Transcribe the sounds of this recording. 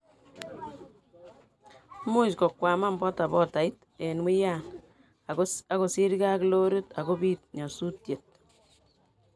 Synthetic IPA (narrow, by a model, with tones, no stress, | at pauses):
mu˦t͡ʃkɔ˨kwaː˨ma˦mbɔ˦ta˨bɔ˦ta˨i˦t | e˨nwi˦ja˦n | a˦ko˨si˦ɾka˦klo˦ɾu˦ta˨ɡo˦biːt̚ɲɔ˨su˦tje˨t̚